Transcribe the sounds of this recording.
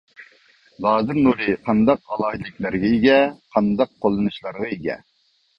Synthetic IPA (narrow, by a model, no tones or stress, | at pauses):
zˠɑːzɨɾnuɾɨqʰɑnd̪ɑqɑlˠɑːɦɨd̪ɪkʲlæɾɡʲɛiɡʲɛqʰɑnd̪ɑqʰːolˠːɨnuʃlˠɑɾʁɑiɡʲɛ̰